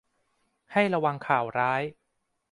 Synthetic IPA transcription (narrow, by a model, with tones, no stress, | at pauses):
ha˥˩jɾa˧wa˧ŋkʰaː˨˩wɾaː˦˥j